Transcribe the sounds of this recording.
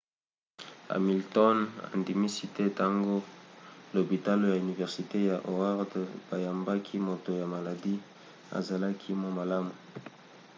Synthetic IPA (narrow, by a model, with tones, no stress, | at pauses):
a̰˨mi˨ltɔ˦na̰˨ndi˨mi˦si˦tɛ˦ta˦ŋɡo˦lo˨bi˨ta˦lo˦ja˨y˨ni˨vɛ˨ʁsi˨te˦ja˨ʔo˨a˦ʁdb̥a˨ja˨mba˦kʰi˦mo˨to˨ja˨ma˨la˨di˦ | a̰˨za˨la˦kʰi˦mwa˦ma˨la˦mu˨